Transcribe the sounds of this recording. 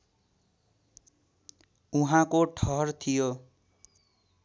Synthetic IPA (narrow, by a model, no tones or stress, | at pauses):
uɦãkoʈʰʌɦʌrt̪ʰijo